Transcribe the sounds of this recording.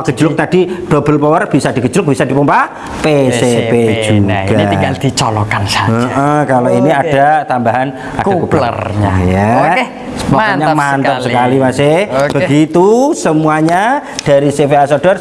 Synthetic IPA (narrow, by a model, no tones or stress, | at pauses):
ɡ̥əd͡ʒulʊk̚t̪ad̥id̥o̤b̥əlpɔwərb̥isad̪̥iɡəd͡ʒulʊk̚b̥isad̥̪ipumpa | peseped͡ʒuɡaald̪̥it͡ʃɔlɔkansaəʔəkaloiniad̥at̪ambaɦan | adkakublə̰rɲa̰ja | spɔkɔɲamant̪əmsəkalimaseb̥əɡit̪usəmuaɲad̥aɾisefeasod̥ɔr